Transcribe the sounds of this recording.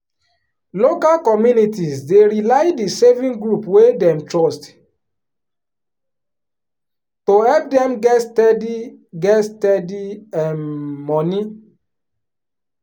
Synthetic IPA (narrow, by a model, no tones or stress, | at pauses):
lokalkɔmjunitizdeɹilaɪdisevĩnɡɹupwedɛ̃mtɹɔst | tohɛp̚dɛ̃mɡɛtstɛdiɡɛtstɛdiɛ̃nmɔni